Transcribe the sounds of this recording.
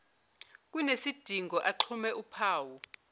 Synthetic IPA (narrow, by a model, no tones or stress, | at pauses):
k̬ʼunesid̥ʱiŋɡʱɔʔaǃʰumɛʔupʰaːwu